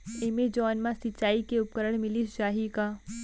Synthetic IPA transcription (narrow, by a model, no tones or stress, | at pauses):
emed͡ʒɔːnmãsɪtːt͡ʃaːikeʊp̚kəɾəɽ̃mɪlisʃaːɦikaː